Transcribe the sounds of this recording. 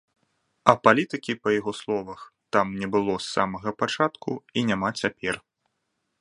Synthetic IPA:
ɐpalʲit̪ɨkʲipɐjaɣɔslˠɔvɐxt̪amnʲɛbɨlˠɔsːa̰mɐɣɐpat͡ʂat̪kʰuinʲamat͡sʲapʲɛr

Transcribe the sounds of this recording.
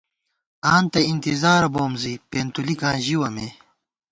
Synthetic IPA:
aːnt̪ɐint̪izaːɾɐboːmzipeːnt̪ulikãːʑiwɐme

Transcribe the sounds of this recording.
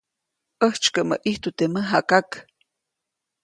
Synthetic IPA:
ʔəht͡ʃkəʔmə̰ʔiht̪ut̪eməɦakak

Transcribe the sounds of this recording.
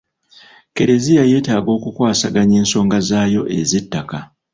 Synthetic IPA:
ke̞ɾe̞zijaje̞ːtaːɡo̞ːkukwaːsaɡaɲeːnso̞ːŋɡazaːjo̞ʔe̞zitːaka

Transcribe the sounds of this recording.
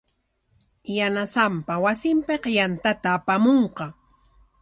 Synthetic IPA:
janasampawasɪmpeqjant̪at̪aːpamoɴqɑ

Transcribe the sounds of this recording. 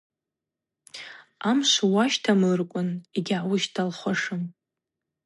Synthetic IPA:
amʃʷwaʃtʰamɨrkʷʼʊniɡʲʕawʊʃtʰalχʷaʂɨm

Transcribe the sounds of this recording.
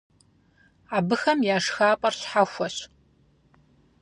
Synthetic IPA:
aːbɨxɐmjaːʂxaːpʼɐrɕħaxʷɔɕ

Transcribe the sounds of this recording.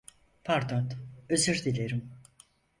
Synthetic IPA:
pʰaɾd̪at̪øzyɾd̪ilʲeɾim

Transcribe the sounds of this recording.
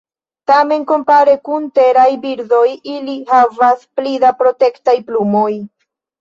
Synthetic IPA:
tame̞nko̞mpaɾe̞kunte̞ɾajbiɾdo̞jilihavasplidapɾo̞te̞ktajplumo̞j

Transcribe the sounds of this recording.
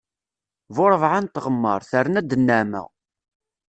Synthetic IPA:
vʊɾˤəvʕant̪ːʁəmːəɾˤθəɾənæd̪ənːæmə̰ʁ

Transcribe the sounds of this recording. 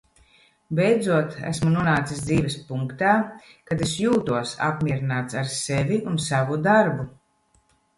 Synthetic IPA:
bɛjd̪zuɔt̪æ̰smunuɔnaːt̪sisd̪ziːvɛspuŋkt̪aːkad̪esjuːt̪uɔsa̰pmʲiɛɾinaːt̪saɾsevʲiunsavud̪aɾbu

